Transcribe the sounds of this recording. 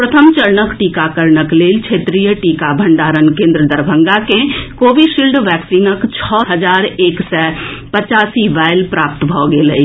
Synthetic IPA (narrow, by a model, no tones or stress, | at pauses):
pɾət̪ʰəmt͡ʃɐɾnəkʈiːkakəɾɳəkleːlt͡ʃʰeːt̪ɾijəʈiːkabʱə̃ɳɖaːɾənkẽːnd̪ɾəd̪ɐɾbʱə̃ŋɡakẽkoːʋiʃilɖʋɛːksiːnəkt͡ʃʰɔːɦɐd͡ʒaːɾeːksɛːpɐt͡ʃaːsiʋaːɪlpɾaːpt̪bʱɔːɡeːlɐ̰i